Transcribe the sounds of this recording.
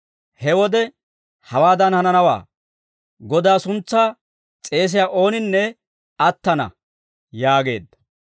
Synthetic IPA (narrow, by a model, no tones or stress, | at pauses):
hɛwɔd̪ɛ | hɐwaːd̪ɐnhɐnɐnɐwa̰ː | ɡɔd̪aːsʊnt͡sːaː | t͡sʼe̞ːs̬ɪjaːʔo̞ːnɪnːɛ | ɐt̪ːɐnɐ̰ | jaːɡe̞̰ːd̪ːɐ̥